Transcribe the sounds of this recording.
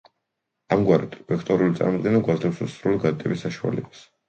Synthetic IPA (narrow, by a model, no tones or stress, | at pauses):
amɡwaɾɛt̪ʰpɛkʰt̪ʼɔɾulit̪sʼa̰ɾmɔd̪ɡɛnaɡwazlɛpsussɾuliɡad̪t̪ʼɛbisːaʃua̰lɛbḁs